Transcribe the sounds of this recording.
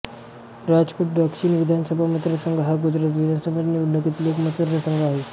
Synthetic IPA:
ɾad͡zkoʈ̚ɖəkʂiːnʋid̪ʱansəbʱamət̪ɾəsəŋɡɦaɡud͡ʑɾat̪̬ʋid̪ʱansəbʱanːiːulːokit̪iliekmət̪əd̪əsəŋɡaɦi

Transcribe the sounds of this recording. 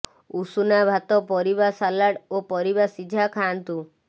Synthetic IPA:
usunabʱat̪ɔpɔɾibasalaɽopɔɾibasid͡ʒʱakʰant̪u

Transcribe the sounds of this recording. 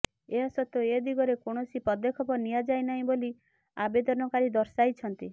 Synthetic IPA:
eɦasɔt̪oed̪iɡɔɾekoɽ̃ɔsipɔd̪ekʰɔpɔnijad͡ʒajnaɦĩboli | abed̪ɔnɔkaɾid̪ɔɾsajt͡ʃʰɔnt̪i

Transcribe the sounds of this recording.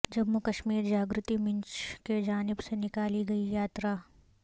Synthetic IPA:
d͡ʒɐmːukɐʃmiːɾd͡ʒaːɡɾʊt̪imɪ̃ɲt͡ʃked͡ʒaːnɪbsenɪkaːliɡɐijaːt̪ɾaː

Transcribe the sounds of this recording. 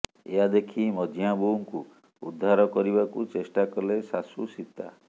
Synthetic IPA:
eɦad̪ekʰimɔd͡ʒijabuŋku | ṵd̪ʱːaɾɔkɔɾiβakut͡ʃesʈakɔlesasusit̪a̰

